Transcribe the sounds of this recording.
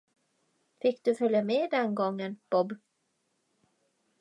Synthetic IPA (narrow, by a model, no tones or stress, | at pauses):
fɪkːd̪̥ɵfœljameːd̪ɛnɡɔŋːənb̥ɔb